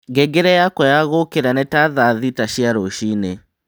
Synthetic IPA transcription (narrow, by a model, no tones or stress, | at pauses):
ŋɡɛɡeɾɛjakɔjaɣokeɾanɛtaðaðitaʃiaɾoʃine